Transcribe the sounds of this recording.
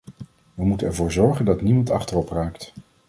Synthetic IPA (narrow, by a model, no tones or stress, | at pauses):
ʋəmutənɛɹvʊːɹzɔɹχəndɑtnimɑntɑχtərɔpraːkt